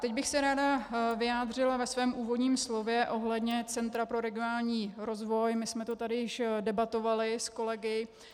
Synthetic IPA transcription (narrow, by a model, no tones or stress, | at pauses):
t̪ɛɟbɪxsɛɾaːdavɪjaːd̪r̝ɪlavɛsvɛːmʔuːvo̞dɲiːmslo̞vjɛʔo̞ɦlɛdɲɛt͡sɛnt̪ɾapɾo̞ɾɛɡɪonaːlɲiːɾo̞zvo̞jmɪsmɛt̪ot̪adɪjɪʃdɛbat̪o̞valɪsko̞lɛɡɪ